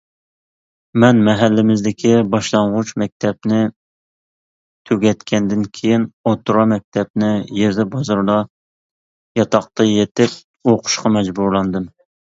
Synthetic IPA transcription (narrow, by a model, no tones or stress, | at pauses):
mɛnmɛɦælːɪmɪzd̪ɪkʲʰibɑʃlˠɑɴʁʊt͡ʃmɛk̚ʲt̪ʰɛpnɪ | t̪ʰøɡʲɛt̪kʲʰɛnd̪ɪnkʲʰejinot̪uɾɑmɛk̚ʲt̪ʰɛp̚nɪjeɾd̪ɛbɑzɑɾlˠɑ | jɑt̪ʰɑq̚t̪ɑjet̪ɪp̚ | oqʰʊ̥ʃqɑmɛd͡ʒbuɾlˠɑnd̪ɨm